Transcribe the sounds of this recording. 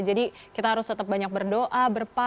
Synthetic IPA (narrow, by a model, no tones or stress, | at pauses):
d͡ʒadikit̪aɦaɾʊst̪ət̪əp̚baɲak̚bərdoʔabərpa